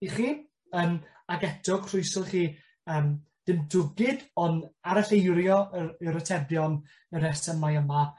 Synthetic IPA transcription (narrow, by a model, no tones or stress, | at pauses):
iχiː | əm | aɡɛdɔɡ̥kʰr̥ʊjsɔlχiː | əːmd̥ɪmdʊɡɪdɔnaɾaɬejɾjɔəəɾətʰɛbjɔn | əɾɛsəmajəma